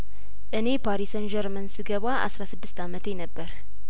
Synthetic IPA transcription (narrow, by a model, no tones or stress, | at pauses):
ʔɨne̞pʰaɾisənd͡ʒəɾmənsɨɡəβaʔa̰sɾasɨd̪ːɨst̪ʰamət̪ʰenəbːəɾ